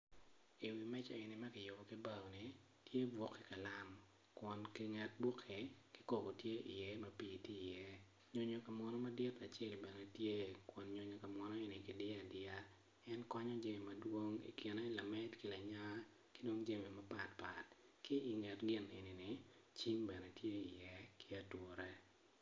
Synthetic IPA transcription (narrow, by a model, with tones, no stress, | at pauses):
i˨wi˨mɛ˦t͡ʃɔ˨e˨nɪ˨mɐ˦kɪ˨jʊ˨bɔ˨ki˦ba˦˨wni˨ | tje˦bwɔ˨kʰːe˨ka˨la˦m | kwɔ˨nkɪ˦ŋɛ˦t̚bwɔ˦kʰːe˨kɪ˦ko˨bo˨tje˦ʔi˨jɛ˦mɐ˦piː˨ti˦˨jɛ˦ | ɲo˦ɲo˨ka˨mɔ˦nɔ˦ma˦dɪ˦ta˨t͡ʃɛ˦lbɛ˨nɛ˨tje˦kwɔ˨nɲo˨ɲɔ˨ka˨mwɔ˦nɔ˦e˨nɪ˨kɪ˨dɪ˦a˨dɪa˦ | ɛ˦nkɔ˦ɲɔ˦d͡ʒe˦mi˨mɐ˨dwo˦ŋḭ˨kɪ˨nɛ˦la˨mɛ˦tkɪ˨la˨ɲa˦ | kɪ˦do˦ŋd͡ʒe˦mi˨ma˦pa˨tpa˨t | kɪ˦ɪ˨ŋɛ˨tɡɪ˦ne˨ni˨nɪ˨ | t͡ʃi˦mbɛ˨nɛ˨tje˦i˨jɛ˦kɪ˦a˦two˨ɾɛ˦